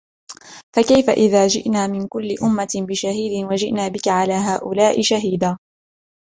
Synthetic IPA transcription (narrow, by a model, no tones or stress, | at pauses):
fakajfa̰ʔɪðaːd͡ʒɪ̰ʔnaːmɪnkʊlːɪʔʊmːabɪʃaɦiːd̪ɪnwad͡ʒɪʔnaːbɪkaʕalaːɦaːʔʊlaːʔɪʃaɦiːd̪aː